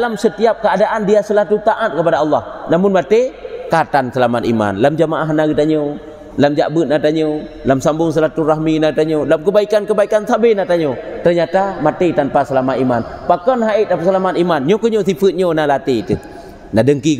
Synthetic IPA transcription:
dalamsət̪iap̚kəadaʔandiasəlat̪ut̪aʔat̪̚kəpadaɑlːɑhnamʊnmat̪ekat̪ansəlamat̪̚ḭma̰nlamd͡ʒamaʔaɦnaɡit̪aɲo | lamd͡ʒa̰ʔbət̪̚nat̪aɲo | lamsambʊŋs̬əlat̪uraɦminait̪aɲolamkəbaikankəbaikansabenat̪aɲot̪ərɲat̪amat̪et̪anpasəlamat̪imanpakɔnɦait̪̚apasəlamat̪imanɲokəɲosifət̪̚ɲonalat̪it̪ə | nadəŋki

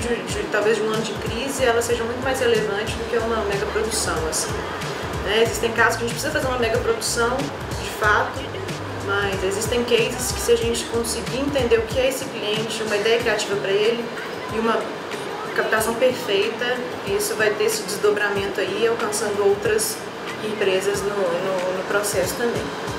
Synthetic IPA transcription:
d͡ʒɪd͡ʒɪt̪awvezd͡ʒɪũɐ̃nʊd͡ʒɪkɾizɪɛlɐsːeʒɐmũj̃t̪ʊmajzhelevɐ̃nt͡ʃɪzd̪ʊkɪɛũmɐmɛɡɐpɾod̪usɐ̃w̃asĩ | nɛezist̪ẽj̃kazʊs̬kɐʒẽt͡ʃpɾɪsizɐfazeɾũmɐmɛɡɐpɾod̪usɐ̃w̃ | d͡ʒɪfat̪ʊ | mɐzezist̪ẽj̃kejzɪskɪ̥sɪaʒẽnt͡ʃɪ̥kõsɪɡiẽnt̪ẽnd̪eɾʊkɪɛesɪkliẽnt͡ʃɪũmɐid̪ɛjɐkɾiat͡ʃivɐpɾɐelɪ | ɪũmɐ | kapi̥t̪asɐ̃w̃peɾfejt̪ɐ | ɪisʊvajt̪eɾesɪd͡ʒɪzd̪obɾamẽnt̪ʊaiawkɐ̃sɐ̃nd̪ʊowt̪ɾɐz | ẽpɾezɐznʊnʊnʊpɾɔsɛsʊ̥t̪ɐ̃mbḛ̃j̃

